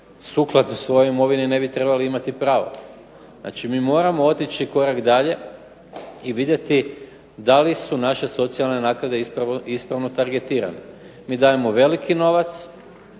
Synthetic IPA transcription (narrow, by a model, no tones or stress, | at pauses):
suːklˠad̪usʋo̞joimo̞ʋinine̞bit̪ɾe̞baliimat̪ipɾaːʋo̰ | zna̰t͡ʃimiːmo̞ːɾamoo̞t̪it͡ʃiko̞ɾakd̪aʎe̞ | iʋid̪je̞t̪i | d̪alisunaʃe̞so̞t̪sialˠne̞naːkɾad̪e̞ispɾaʋoispɾaʋno̞t̪aɾɡe̞t̪iːɾa̰nemiːd̪aːje̞moʋe̞likino̞ʋat̪s